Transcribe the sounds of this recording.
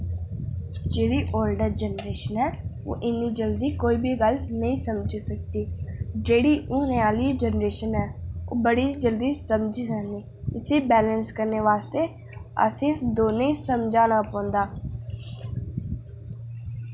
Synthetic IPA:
d͡ʒeːɽiːʔoːlɖəɾd͡ʒənɾeːʃənɦɛː | o̰ːʔɪnːid͡ʒəld̪iːkoːiːbʱiɡəlnəĩːsəmd͡ʒsək̚t̪iːd͡ʒeːɽiːʔũːneaːliːd͡ʒənɾeːʃənɦɛːo̰ːbəɽiːd͡ʒəld̪iːsəmd͡ʒisəkniː | ɪseːbɛːlənskəɾneːʋaːst̪eː | ə̰sẽd̪oːneisəmd͡ʒaːnaːpɔ̃ːnd̪aː

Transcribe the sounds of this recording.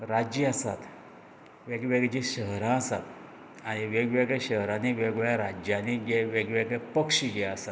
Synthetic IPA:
ɾad͡ʑiasat̪ | ʋeɡʋeɡd͡ʑĩɕəɦɾãəsat̪ | aɽ̃iʋeɡʋeɡɭeɕəɦɾãniʋeɡʋɭjaɾad͡ʑjaniɡeʋeɡʋeɡɭepəkʂiɡeəsat̪

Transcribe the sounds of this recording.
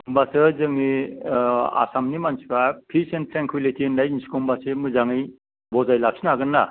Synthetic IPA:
mbasɯzɯŋni | a̰samnimansi̥kapʰisentʰɾeŋkʰwilitʰindajinsi̥kɔmbasemɯzaŋɯj | bɔzajlak̚sʰinaɡɯnːa

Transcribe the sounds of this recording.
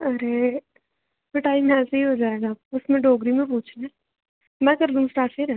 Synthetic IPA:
ɐɾe | pɪʈaːimɛ̃ːseɦiɦoːd͡ʒaːeːɡaʊsmẽɖoːɡɾimẽp̬uːt͡ʃʰneː | mɛ̃ːkɐɾd̪ũsʈaːɾʈseɾɛ̃ː

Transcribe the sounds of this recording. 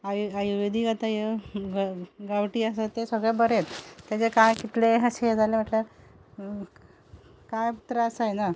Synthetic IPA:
ajajuʋed̪ʱiːɡat̪ajeɡɡawʈiːəsat̪ːesəɡɭebəɾet̪ːjat͡sekajkit̪leɦaɕed͡zaleməʈljaɾ | kajpit̪ɾasajna

